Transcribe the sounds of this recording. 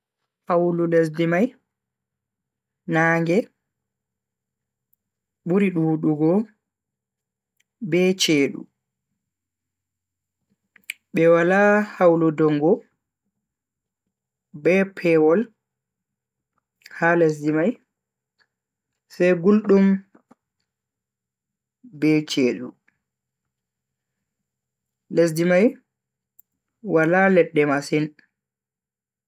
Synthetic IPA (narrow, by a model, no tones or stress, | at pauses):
hawlules̬dimaj | naːŋɡɛ | ɓuɾiɗuːɗuɡɔ | bɛt͡ʃeːɗṵ | ɓɛwalahawludɔŋɡɔ | bɛpʰɛwɔl | hales̬dimaj | sɛjɡulɗum | bɛt͡ʃeːɗu | les̬dimaj | walalɛɗːɛmasin